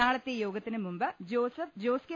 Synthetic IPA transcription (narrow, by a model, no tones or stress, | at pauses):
aːɭɐt̪ːejo̞ːɡɐt̪ːinɨmumbɨd͡ʑoːsɐfd͡ʑoːske